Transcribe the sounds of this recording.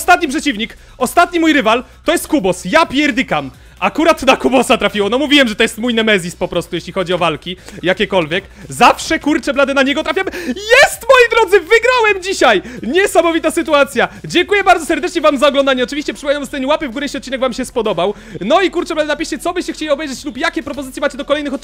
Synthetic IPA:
st̪at̪̚ɲipʂɛt͡ɕivɲik | ɔst̪at̪ɲimujɾɘval | t̪ɔjɛst̪̚kubɔsjapʲjɛɾd̪ɘkam | ʔakuɾat̪nakubɔsat̪ɾafʲiwɔnɔmuvʲiwɛmʐɛt̪ɔjɛst̪mujnɛmɛzʲispɔpɾɔst̪ujeɕlʲixɔd͡ʑiɔvalkʲijakʲɛkɔlvʲjɛkzafʂɛkuɾt͡ʂɛblad̪ɛnaɲɛɡɔt̪ɾafʲamjɛst̪mɔjid̪ɾɔd̪zɘvɘɡɾawɛmd͡ʑiɕajɲɛsamɔvʲit̪asɘt̪uat̪sʲjad͡ʑɛŋkujɛbaɾd̪ɔsɛɾd̪ɛt͡ʂɲɛvamzaɔɡlɔnd̪aɲɛɔt͡ʂɨvʲiɕt͡ɕɛpʂɨpɔvʲjanamst̪ɛɲiwapɘvɡuɾɛjeɕʲiɔt̪̚t͡ɕinɛɡvamɕɛspɔd̪ɔbaw | nɔikuɾt͡ʂɛblad̪ɛnapʲiɕt͡ɕɛt̪sɔbɘɕt͡ɕɛxt͡ɕelʲiɔbɛjʐɛt͡ɕlupjakʲɛpɾɔp̬ɔzt̪sjɛmat͡ɕɛd̪ɔkɔlɛjnɨxɔt̪̚

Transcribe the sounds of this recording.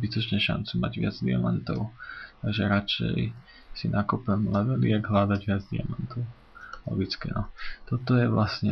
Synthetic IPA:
bit̪ɔt͡ʃɲɛʃa̰nt͡suma̰ɟʋɪad͡zd̪ḭa̰mant̪ɔʊt̪aɡʒɛɾat͡ʃɛ̰j | sinʔakupɛmlɛʋɛlɪɛɡɦlaːd̪aɟʋɪad͡zd̪ia̰mant̪ɔʊ | lɔ̰ɡit͡skɛ̰nɔt̪ɔt̪ɔjɛʋlasɲɛ

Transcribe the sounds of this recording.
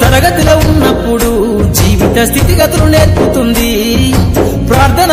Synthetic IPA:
t̪ɐɾɐɡɐt̪ulɐunːɐpːuɽu | d͡ʒiːʋit̪ɐst̪ʰit̪iɡɐt̪ɐlune̞ːɾput̪und̪i | pɾaːɾt̪ʰɐn

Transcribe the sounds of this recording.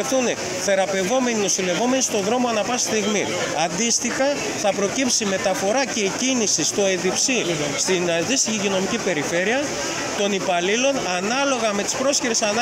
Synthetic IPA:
θune | θe̞ɾɐpe̞vo̞me̞nino̞sile̞vo̞me̞nist̪o̞ðɾo̞moɐnɐpɐsst̪iɣmi | ɐnd̪ist̪ixɐ | θɐpɾo̞cipsime̞t̪ɐfo̞ɾɐce̞icinisist̪o̞e̞ðipsi | st̪inðist̪içicino̞micipe̞ɾife̞ɾiɐ | t̪o̞nipɐlilo̞nɐnɐlo̞ɣɐme̞t̪i̥spɾo̞sçiɾe̞sɐn

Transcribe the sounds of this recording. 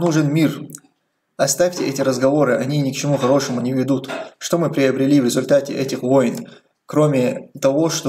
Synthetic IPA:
nuʐɨnmʲir | ɐst̪afʲtʲɪɛtʲɪɾəzɡɐvo̞ɾɨʔɐnʲinʲɪkt͡ɕɪmuxɐɾo̞ʂəmʊnʲɪvʲɪd̪ut̪ʂt̪o̞mɨpɾʲɪəbɾʲɪlʲivɾʲɪzʊlʲt̪atʲɪʔɛtʲɪxvo̞jn | kɾo̞mʲɪt̪ɐvo̞ʂt̪o

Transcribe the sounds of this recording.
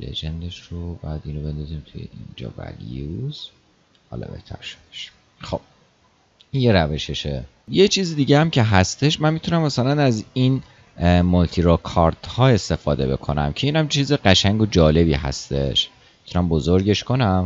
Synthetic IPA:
lḛd͡ʒe̞nd̪eʃɾobɒjæd̪iːnobe̞nd̪ɒziːmt̪ʰujḛʔḭnd͡ʒɒ̰ːvæ̰lḭjuz̥ | hɒ̰ːlɒ̰be̞̰ht̪ʰæ̰ɾʃo̥d̥̪eʃ | xo̞b̥̚ | inje̞ɾæve̞ʃe̞ʃe | jet͡ʃʰiːzid̪iːɟeæmcʰe̞ɦæst̪e̞ʃmænmit̪ʰunæmːæsælænæzin | molt̪ʰiɾokʰɒɾd̪̥hɒːe̞st̪e̞fɒːd̪e̞be̞̰kʰo̞næ̰mcʰe̞iːnæmt͡ʃʰiːzeɢæʃæɲɡo̞d͡ʒɒːle̞biːɦæ̰st̪e̞̰ʃ | mit̪ʰunæmbozoɾɟe̞ʃko̞næm

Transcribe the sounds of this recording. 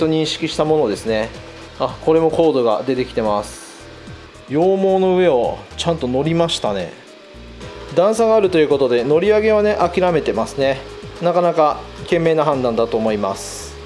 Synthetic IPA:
t̪o̞ɲ̟ĩɰ̃ɕi̥kʲiɕi̥t̪amo̞no̞d̪e̞sɨne̞ | ako̞ɾe̞mo̞ko̞ːd̪o̞ɡa̰d̪e̞t̪e̞kʲi̥t̪e̞masɨ̥ | jo̞ːmo̞ːno̞ɯ̟e̞o̞t͡ɕãnt̪o̞no̞ɾʲimaɕi̥t̪ane̞̰ | d̪ãɰ̃saɡaːɾɯ̟t̪o̞jɯ̟ko̞t̪o̞d̪e̞no̞ɾʲiaɡe̞β̞ane̞ʔakʲiɾame̞t̪e̞masɨne̞nakanakakẽ̞mːe̞ːnaɦãnd̪ãnd̪at̪o̞ːmo̞imasɨ̥

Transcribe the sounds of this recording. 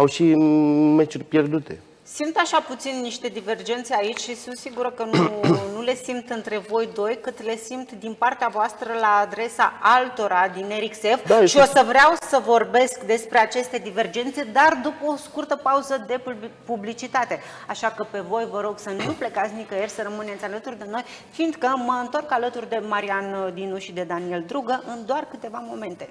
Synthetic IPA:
awʃimet͡ʃurʲpjerd̪ut̪e̞̰ | simt̪aʃaput̪sinːiʃt̪e̞d̪ive̞rd͡ʒe̞nt̪se̞ait͡ʃʲʃisunt̪siɡuɾəkənunule̞simt̪ɨnt̪ɾe̞vo̞jd̪o̞jkɨt̪le̞simt̪d̪inpart̪eavoast̪ɾəlaːd̪ɾe̞sa̰alt̪o̞ɾad̪ineɾikse̞fd̪aʃio̞səvɾeawsəvo̞rbe̞skd̪e̞spɾe̞at͡ʃe̞st̪e̞d̪ive̞rd͡ʒe̞nt̪se̞d̪ard̪upəoskurt̪əpauzəd̪e̞publit͡ʃit̪at̪e̞ | aʃakəpe̞vo̞jvəɾo̞ɡsənuple̞kat̪sʲnikəjerʲsəɾəmɨne̞t̪sʲalət̪urʲd̪e̞no̞j | fiːnd̪kəməɨnt̪o̞rkalət̪urʲd̪e̞maɾiand̪inuʃid̪e̞d̪anie̞ld̪ɾuɡəʔɨnd̪oarkɨt̪e̞vamo̞mẽ̞nt̪e̞

